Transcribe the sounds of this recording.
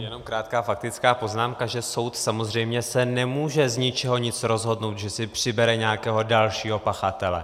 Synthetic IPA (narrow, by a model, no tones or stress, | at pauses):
jɛno̞mkɾaːt̪kaːfak̚t̪ɪt͡skaːpo̞znaːmkaʒɛso̞wt̪samozr̝ɛjmɲɛsɛnɛmuːʒɛzɲɪt͡ʃɛɦo̞ɲɪt͡sɾo̞zɦo̞dnowt̪ʒɛsɪpr̝̥ɪbɛɾɛɲɛjakɛːɦo̞dalʃiːɦo̞paxat̪ɛlɛ̰